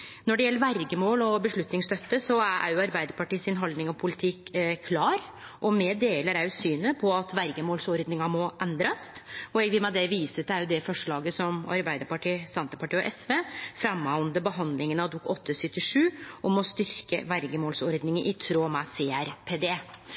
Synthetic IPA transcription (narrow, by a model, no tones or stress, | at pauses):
nɔɖɛjɛlːəɾʋæɾɡəmoːlɔbəʂɭʉt̪nɪŋst̪œt̪ːəsɔææ̰ɾjʊɑɾbæɪd̪əɾpɑʈiːsɪnɦɑld̪nɪŋɔpʰʊlɪt̪ʰɪkʰːlɑːɾ | ʔɔmɛd̪eːləɾæʉsyːnəpʰɔɑt̪ʋæɾɡəmoːlsɔɾd̪nɪŋɑmɔʔɛnd̪ɾɑst̪ɔɛɡʋɪlmɛd̪ɛʋiːsət̪æɾjʊd̪ɛfɔʂɭɑːɡəsɔmɑ̰ɾbæɪd̪əɾpɑʈiːsɛnt̪ə̥pɑʈiːɔʔɛsʋeːfɾɑmːɔnd̪əbəɦɑnd̪lɪŋənɑʋd̪ukːɔt̪ʰːəsʏt̪ːɪʂʉːʔɔmɔst̪ʏɾkə̰ʋæɾɡəmoːlsɔɾd̪nɪŋəʔɪt̪ʰɾoːmɑseːæɾpʰeːd̪eː